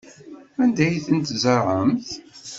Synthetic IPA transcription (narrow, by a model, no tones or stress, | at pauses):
ænd̪æjθənt̪zəɾˤʕəmθ